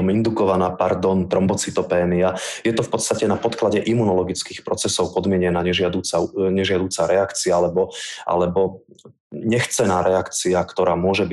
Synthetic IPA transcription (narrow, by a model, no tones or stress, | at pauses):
mind̪ukɔʋanaːpaɾd̪ɔnt̪ɾɔmbɔt͡sit̪ɔpɛːmiajɛt̪ɔfpɔt̪st̪acɛnapɔt̪klaɟɛʔimunɔlɔɡit͡skiːxpɾɔt͡sɛsɔʊpɔd̪mɪɛɲɛnaɲɛʒɪad̪uːt͡saɲɛʒɪad̪uːt͡saɾɛakt͡sialɛbɔʔa̰lɛbɔ | ɲɛxt͡sɛnaːɾɛakt͡siakt̪ɔɾaːmʊɔʒɛbi